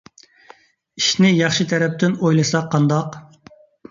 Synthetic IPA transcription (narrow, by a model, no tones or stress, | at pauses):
iʃnɪjɑχʃit̪ʰɛɾɛp̚t̪ɪnojlˠɨsɑqʰːɑnd̪ɑq